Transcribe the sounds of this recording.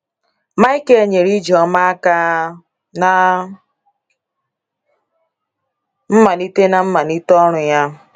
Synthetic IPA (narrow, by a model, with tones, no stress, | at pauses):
ma˦i˦ke˨˦ɲe˨ɾi˦d͡ʒɔ˦ma˦a˦ka˦ | na˦ | m̩˦ma˨ni˦te˦na˨m̩˦ma˨ni˦tɔ˦ɾ̃ʊ˨ja˦